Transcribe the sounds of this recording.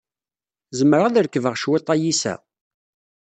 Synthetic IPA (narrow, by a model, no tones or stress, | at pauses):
zəmːəɾʁæðəɾkːəvəʁʃwɪt̪ˤːɑjisæ̰